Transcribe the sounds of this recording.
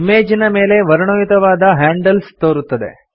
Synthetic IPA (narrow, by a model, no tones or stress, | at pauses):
imeːd͡ʒinɐme̞ːle̞ʋɐɾɐɳoːjut̪ɐʋaːd̪ɐɦaːɳɖɐlst̪oːɾut̪ːɐd̪e̞̰